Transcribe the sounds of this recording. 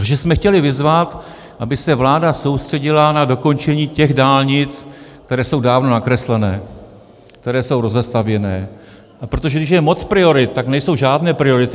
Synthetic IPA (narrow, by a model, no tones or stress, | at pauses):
t̪aɡʒɛsmɛxcɛlɪvɪzvat̪ | ʔabɪsɛvlaːdaso̞wst̪r̥ɛɟɪlanado̞ko̞nt͡ʃɛɲiːcɛɣdaːlɲɪt͡sk̚t̪ɛɾɛːso̞wdaːvno̞nakɾɛslɛnɛː | k̚t̪ɛɾɛːso̞wɾo̞zɛst̪avjɛnɛː | ʔapɾo̞t̪o̞ʒɛɡdɪʃ̬jɛmo̞t͡spɾɪo̞ɾɪt̪̚ːaknɛjso̞wʒaːdnɛːpɾɪo̞ɾɪt̪ɪ